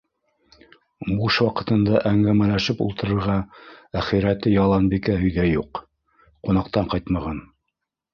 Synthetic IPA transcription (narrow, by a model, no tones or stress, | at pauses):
buʃwɑqɤ̆t̪ɤ̆nd̪ɑʔæŋɡæmælæʃɘpṵlˠt̪ɤ̆ɾɤ̆ɾʁɑæχiɾæt̪ɘjɑlˠɑnbikæɦɵ̆jðæjuq | qunɑqt̪ɑɴqɑjt̪mɑʁɑn